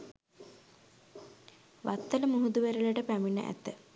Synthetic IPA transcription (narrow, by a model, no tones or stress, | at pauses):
ʋat̪ːələmuɦud̪uʋeɾələʈəpæminə̰ʔæ̰t̪ə